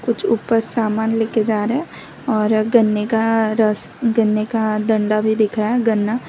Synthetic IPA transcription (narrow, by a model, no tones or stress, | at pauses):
kʊt͡ʃʰuːpəɾsaːmaːnleːked͡ʒaːɾeɦɛ̃ | ɔːɾɡɐnːekaɾəs | ɡɐnːekad̪ɐ̃ɳɖabʱid̪ɪkʰɾaaɦɛɡɐnːa